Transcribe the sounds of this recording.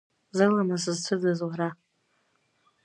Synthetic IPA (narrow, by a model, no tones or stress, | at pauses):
zɨlamasɨzt͡sʰɨdazwaɾa